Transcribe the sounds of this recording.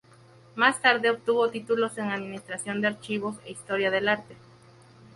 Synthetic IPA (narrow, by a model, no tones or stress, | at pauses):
mast̪aɾðeop̚t̪uβot̪it̪ulo̞se̞ŋaðmĩnist̪ɾasjo̞nd̪eaɾt͡ʃiβo̞sḛist̪o̞ɾjað̞e̞laɾt̪e